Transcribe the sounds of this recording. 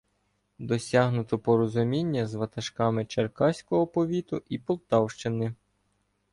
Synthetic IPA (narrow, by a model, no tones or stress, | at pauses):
d̪ɔsʲɑɦnʊt̪ɔpɔɾɔzʊmʲinʲːɐzʋɐt̪ɐʃkɑmɪt͡ʃerkɑsʲkɔɦɔpɔʋʲit̪ʊipɔlˠt̪ɑwʃt͡ʃɪnɪ